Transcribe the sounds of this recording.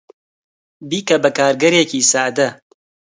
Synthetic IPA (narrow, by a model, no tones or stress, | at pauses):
biːkɐbɐkaːɾɡɐɾeːkiːsaːd̪ɐ